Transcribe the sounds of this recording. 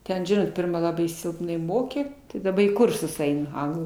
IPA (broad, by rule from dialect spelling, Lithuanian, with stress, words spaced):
ˈtʲɛn ˈʒʲɪnoːt ˈpʲɪrmɐ ˈlˠɑːbɐɪ ˈsʲɪlˠpnɐɪ ˈmoːkʲeː tɐɪ dɐˈbɐ iː ˈkʊrsʊs ˈɛɪnʊ ˈɐŋɡlˠuː